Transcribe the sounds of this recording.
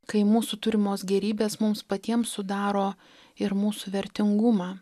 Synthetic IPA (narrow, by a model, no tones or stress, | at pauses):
kɐɪmuːsuːt̪ʊɾʲɪmoːsɡʲɛɾʲiːbʲeːsmʊmspɐt̪ʲiɛmsʊd̪ɑːɾoː | ɪɾmuːsuːʋʲɛɾʲt̪ʲɪŋɡʊmɑː